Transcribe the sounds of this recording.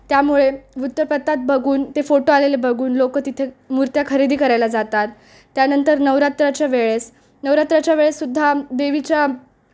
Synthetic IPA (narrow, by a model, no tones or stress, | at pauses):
t̪jamuɭeʋut̪ːəpət̪ːat̪̚bəɡʱuːnt̪efoʈoalelebəɡʱuːnlokət̪it̪ʰemuɾt̪jakʰəɾid̪ʱiːkəɾajlad͡zat̪at̪ː | janənt̪əɾnəʋɾat̪ɾat͡ɕjaʋeɭes | nəʋɾat̪ɾat͡ɕjaʋeɭesːud̪ʱːad̪eʋit͡ɕja